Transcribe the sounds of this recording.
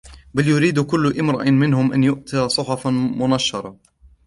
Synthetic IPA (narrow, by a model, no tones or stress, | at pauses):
baljʊɾiːd̪kʊlːʊʔɪmɾˤɑʔɪmɪnhʊmʔanjʊʔt̪aːsˤʊħɑfmʊnaʃːɑɾˤɑ